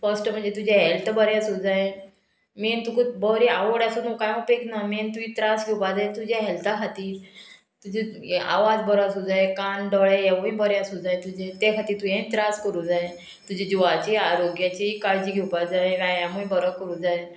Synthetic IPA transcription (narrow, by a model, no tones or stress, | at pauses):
fəsʈm̤əɳd͡zet̪ud͡ʑeɦɛlt̪əbəɾjasud͡zaje | mint̪ukubəɾiaʋəɽasunukajupeknament̪uĩt̪ɾasɡʱiwpad͡zaet̪ud͡ʑaɦɛlt̪aɦʰat̪iːɾ | t̪ud͡ʑea̰ʋad͡zbəɾasud͡zaekanɖɔɭeeʋuĩbəɾjasud͡zajet̪ud͡ʑet̪ekʰat̪iːɾt̪ujẽnt̪ɾaskəɾuːd͡zae | t̪ud͡ʑed͡ʑuʋat͡ɕiaɾoɡjat͡ɕikaɭd͡ʑiːɡʱɛwpad͡zaẽʋajãmubəɾəkəɾuːd͡zae